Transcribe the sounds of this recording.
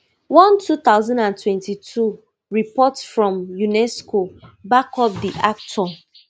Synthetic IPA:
wɔ̃ntʰut̪aʊzãndãntʰwɛ̃ntitʰu | ɹipɔtsfɹɔ̃mjunɛskobakɔp̚diʔak̚tʰɔ

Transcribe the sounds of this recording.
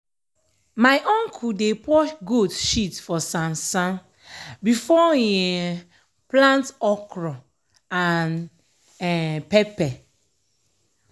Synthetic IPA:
maɪʔɔ̃ŋkʰudepɔʃɡudʃitfɔsãmsãn | bifɔiɛ | plãntɔkɹɔ̃ | an | ɛpɛpɛ

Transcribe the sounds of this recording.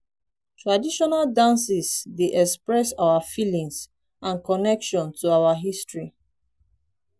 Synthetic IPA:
tʰɹadiʃɔnaldãnsisdeʔɛkspɹɛsawafilĩŋs | ãnkɔnɛkʃɔ̃ntʰuawaɦistɹi

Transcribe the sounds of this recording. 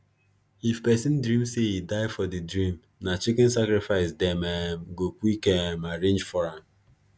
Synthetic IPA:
ifpɛsɪn̩dɾĩmseidaɪfɔdɪdɾim̩ | nat͡ʃɪkɪn̩sakɾɪfaɪsdemeɡokʷuikemaɾẽnd͡ʒfɔɾan

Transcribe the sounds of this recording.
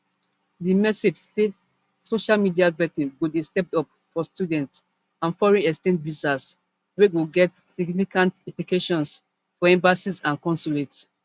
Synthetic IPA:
dimɛsed͡ʒse | soʃalmidiavɛtĩnɡubistɛp̚tɔp | fɔstjudɛ̃nts | ãnfɔɹɛ̃nɛkstɛ̃nɹisas | wewiɡɛt | siɡniffikãntĩplikeʃɔ̃ns | fɔɛ̃mbasisãnkɔ̃nsulets

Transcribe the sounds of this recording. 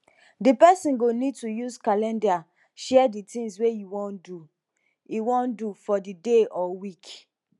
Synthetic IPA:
dipɛsĩnɡonid̚tujuzkalɛ̃nda | ʃɛɛditĩŋzwejuwɔ̃ndu | juwɔ̃ndufɔdideʔɔwik

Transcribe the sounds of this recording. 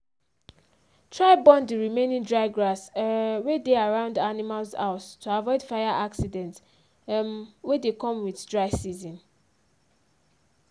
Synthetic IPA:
tʰɹaɪbɔ̃ndiɹimẽnĩŋdɹaɪɡɹaswedeaɹãʊ̃ndanimalsaʊstʰuavɔɪd̥fajaʔaksidɛ̃nt | mwedekʰɔ̃mwiθdɹaɪsizĩn

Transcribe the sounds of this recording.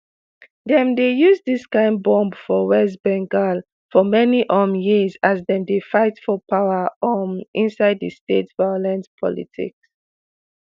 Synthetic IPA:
ðɛ̃mdejuzdiskãɪ̃nbɔ̃mbfɔwɛs̬bɛ̃ŋɡal | fɔmɛniʔɔmjizazðɛ̃mdefaɪtfɔpʰaʊəɔmĩnsaɪdəstetvaɔlãnspʰɔ̰lḭtʰḭks

